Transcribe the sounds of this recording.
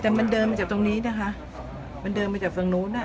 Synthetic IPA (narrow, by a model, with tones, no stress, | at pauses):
t̪ɛː˨˩ma˧ndɤː˧nmaː˧t͡ɕaː˨˩t̪o˧ŋniː˦˥na˦˧˩kʰa˦˥ʔ | ma˧ndɤː˧nmaː˧t͡ɕaː˨˩k̚lŋnuː˦˥na˦˥˩